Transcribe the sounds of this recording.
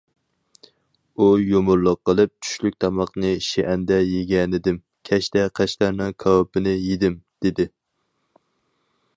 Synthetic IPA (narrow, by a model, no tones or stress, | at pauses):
ujomʊɾlˠəqːəlˠɨp̚t͡ʃʰy̥ʃlyk̚ʲt̪ʰɑmɑqnɨʃeʔɛnd̪ɛjeɡʲɛnɪd̪ɪm | kʲʰɛʃt̪ɛqʰæʃt̪æɾnɨŋkʰɑwpɪnɪjed̪ɪmd̪̥ed̪ɪ